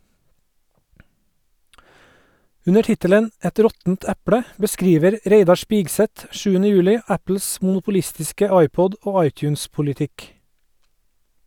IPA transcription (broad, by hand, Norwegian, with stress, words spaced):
ˈʉnə ˈʈɪtələn ˈɛt ˈɾɔtn̩t ˈæpɽə bəˈskɾiːʋəɾ ˈɾeɪdɑ ˈʃpɪɡsɛt ˈʃʉːənə ˈjʉːlɪ ˈæpl̩s mʊnʊpʊˈlɪstɪskə ˈɑɪˌpɔd ˈoː ˈɑɪˌtjʉːnspʊlɪˌtɪk